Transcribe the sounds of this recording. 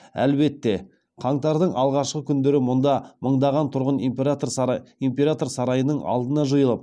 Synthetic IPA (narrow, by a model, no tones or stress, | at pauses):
æ̰lbe̞t̪ːe̞ | qʰɑɴt̪ɑɾd̪əɴʔɑlˠʁɑʃqəkʲʰʏnd̪eɾɪmʊnd̪ɑməɴd̪ɑʁɑnt̪ʰʊɾʁənt̪impʲe̞ɾat̪o̞ɾsɑɾɑjənəɴɑ̰lˠd̪ənɑʒəjəlˠəp̚